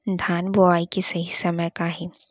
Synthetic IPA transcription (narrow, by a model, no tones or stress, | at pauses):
d̪ʱaːnbʊʋaːikesɐɦisɐməjkaɦɛ